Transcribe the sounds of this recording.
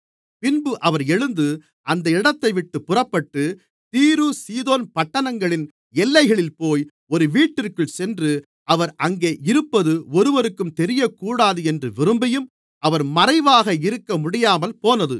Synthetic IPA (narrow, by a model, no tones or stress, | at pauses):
pɪnbɯʔɐʋɐɾɛɻɯnd̪ɯ | ʔɐnd̪ɐɪɽɐt̪ːɐɪʋɪʈːɯpːʊrɐpːɐʈːɯ | t̪iːɾusiːðoːnpɐʈːɐnɐŋɡɐɭɪn | ɛlːɐɪɣɐɭɪlpoːj | ɔɾɯʋiːʈːɪrkɯɭsɛndrɯ | ʔɐʋɐɾʔɐŋɡeːʔɪɾɯpːɐðɯɔɾɯʋɐɾɯkːɯmt̪ɛɾɪjɐkːuːɽaːðɯɛndrɯʋɪɾɯmbɐjɯm | ʔɐʋɐɾmɐɾɐɪʋaːɣɐɪɾɯkːɐmʊɽɪjaːmɐlpoːnɐðɯ